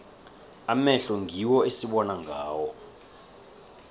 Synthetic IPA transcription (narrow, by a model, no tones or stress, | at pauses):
amɛɬɔŋʱiwɔesiɓɔnaŋɡʱaːwɔ